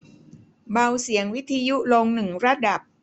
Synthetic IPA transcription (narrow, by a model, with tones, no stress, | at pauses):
ba˧wsi˨˩˦əŋwi˦˥t̪ʰːa˧ju˦˥lo˧ŋnɯ˨˩ŋɾa˦˥da˨˩p̚